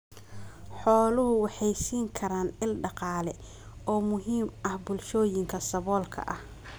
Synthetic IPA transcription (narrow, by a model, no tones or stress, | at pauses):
ħɔːlʊɦʊwɑħɑjsiːŋkʰɐɾaːnɪlɖɑqɑːlɛ | ɔːmʊɦiːmɐhbʊlʃɔːjɪŋkʰɐsɐβɔːlkʰɐ̰ʔɐh